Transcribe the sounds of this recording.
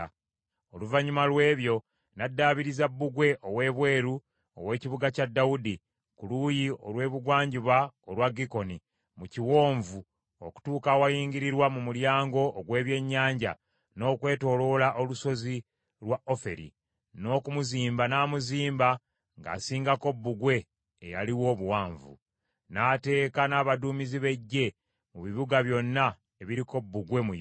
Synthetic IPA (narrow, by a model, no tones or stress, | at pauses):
oluvaɲumalwe̞ːβjo̞ | nadːaːβiɾizabːuɡwe̞ʔowe̞ːβwe̞ːɾu | o̰we̞ːciβuɡacadːaudi | kulujio̞lwe̞ːβuɡwaːɲɟiβaolwaɡiko̞ni | muciwo̞ːɱvu | o̰ku̥tuːkawajiːɲɡiɾiɾwamumuljaːŋɡo̞ʔːɡwe̞ːβje̞ɲːaːɲɟa̰ | no̞ːkwe̞ːto̞lo̞laʔo̞luso̞zi | lwao̞fe̞̰ɾḭ | no̞ːkumuziːmbanaːmuziːmba | ŋɡa̰ːsiːŋɡako̞bːuɡwe̞ː | jaliwo̞ːβuwaːɱvṵ | naːte̞ːkanaːβaduːmiziβe̞ɟːe̞ | muβiβuɡaβjo̞nːa | e̞βiɾiko̞bːuɡwe̞mu